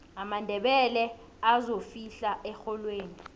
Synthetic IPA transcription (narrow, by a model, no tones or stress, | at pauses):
amandʱɛɓɛlɛ | azofiɬaʔɛxɔlweːni